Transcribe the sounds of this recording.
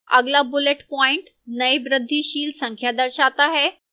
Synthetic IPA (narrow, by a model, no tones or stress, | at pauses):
ə̰ɡlabuleʈpɔiɳʈ | nəjbɾəd̪ʱːiːɕiːlsəŋkʰjad̪əɾɕat̪aɦe